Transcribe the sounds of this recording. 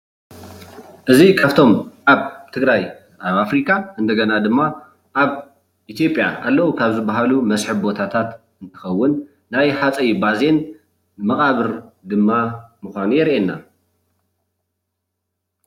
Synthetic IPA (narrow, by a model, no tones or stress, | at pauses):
ʔɨzikʰaβt̪ʰo̞mʔaβt̪ʰɨɡɾaj | ʔaβafɾikʰʼaɨnd̪ɐɡɐnad̪ɨmːa | ʔaβ | ʔit̪ʰjo̞pʼja̰alːɐʔukʰaβzɨbːaɦalumɐsħɨβbo̞t̪ʰat̪ʰat̪ | ɨnt̪ʰɨ̥xɐwːʊnː | ajħat͡sʼɐjibaze̞n | mɐχʼaβɨɾd̪ɨmːamɨxʷanujɛɾʔenːa